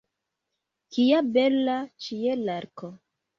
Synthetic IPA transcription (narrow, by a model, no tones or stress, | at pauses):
kiabelat͡ʃielaɾkʰo